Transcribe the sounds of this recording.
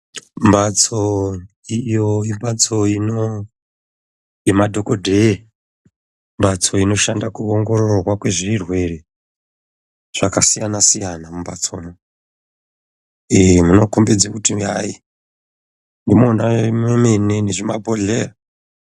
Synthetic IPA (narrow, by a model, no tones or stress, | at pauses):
mbat͡so | ijoimbat͡soino | jemadʱokodʱe | mbat͡so̞ino̞ʃandakuoŋɡo̞ɾoorwakwe̞ʐirwe̞re | ʐ̥akasijanasijanamumbat͡somo | emuno̞kombed͡zakutiai | ndimoːnamwemeneneʐimabʱoɮeːra